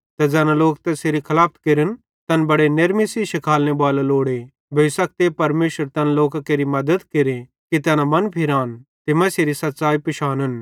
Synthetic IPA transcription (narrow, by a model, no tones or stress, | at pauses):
t̪ɐd͡ʒɛnãloːkt̪ɛseɾikʰɐlaːpʰt̪keɾən | t̪ɐnbɐɽeneɾmisiʃɪkʰaːlnebaːlaloːɽe | bʱeɪsɐk̚t̪epɐɾmeːʃəɾt̪ɐnloːkakeːɾimɐd̪əd̪keɾe | kit̪̬ɛːnamɐnpʰɪɾaːnt̪ɪmɐseɾisɐt̪ːsaːipɪʃaːnən